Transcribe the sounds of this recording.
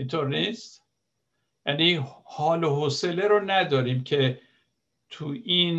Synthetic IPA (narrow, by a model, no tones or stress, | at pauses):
int̪ʰoɾnist̪ | jænihɒːloɦoseleɾonæd̪ɒːɾiːmcʰe̞ | t̪ʰuiːn